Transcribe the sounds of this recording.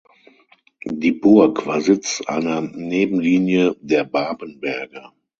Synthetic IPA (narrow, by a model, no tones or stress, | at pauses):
diːbʊɐkv̥a̰ːɐzɪt͡sʔa̰ɪnɐneːbm̩liːnjədeːɐbaːbənbɛɐɡɐ